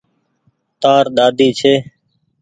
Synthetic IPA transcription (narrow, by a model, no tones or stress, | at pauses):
t̪aːɾɗ̪aːd̪ʱiːt͡ʃʰeː